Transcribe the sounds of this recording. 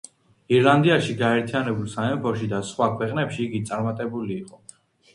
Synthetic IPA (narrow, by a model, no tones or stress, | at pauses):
iɾland̪iaʃiɡaɛɾt̪ʰijanɛbulˠsaɛmpʰɔʃid̪asχwakʰwɛqʼnɛpʃiːɡit̪sʼaɾmat̪ʼɛbuliːqʼɔ